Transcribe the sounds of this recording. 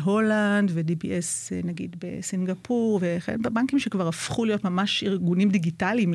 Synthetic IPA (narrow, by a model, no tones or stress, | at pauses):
ɦo̞landvedibiʔesnaɡḭdbḛsinɡapʰuʁveχḛnbaŋkimʃekvaʁafχulijotmamaʃiʁɡunimdiɡitalim